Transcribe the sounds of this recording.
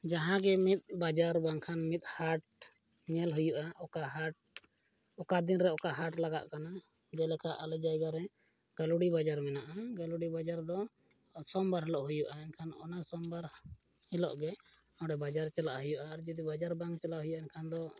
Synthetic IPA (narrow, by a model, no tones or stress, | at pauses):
d͡ʒaɦãɡɛmit̪̚ˀbad͡ʒaɾbaŋkʰanmit̪̚ˀhaʈ̚ | ɲɛlɦujuʔaɔkaɦaʈ̚ | ɔkad̪inɾɛɔkaɦaʈlaɡa̰ʔkana | d͡ʒɛlɛkaʔalɛd͡ʒajɡaɾɛ | ɡ̥alɔɽibad͡ʒaɾmɛnaʔaɡalɔɽibad͡ʒaɾd̪ɔ | sɔmbaɾɦɛlɔʔɦujuʔaɛɲkʰanɔ̰nasɔmbaɾ | hɛlɔ̰ʔɡɛ | ɔɽɛbad͡ʒaɾt͡ʃɛlaʔɦujuʔaːɾd͡ʒɔd̪ibad͡ʒaɾbaŋɡt͡ʃɛlaʔɦujuʔaɛɲkʰand̪ɔ